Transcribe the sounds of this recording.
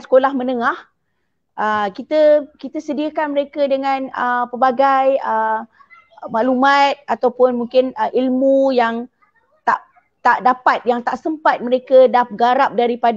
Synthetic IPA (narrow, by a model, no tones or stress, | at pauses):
sə̥kolahmənəŋah | ʔəkit̪əkit̪əsədiəkanməɾekədəŋãnəpəbaɡajə | maʔlumat̪̚at̪awpʊnmuŋkɪnəʔilmujaŋ | t̪aʔ | t̪aʔdapat̪̚jaŋt̪aʔsəmpat̪̚məɾekədap̚ɡaɾap̚daɾipad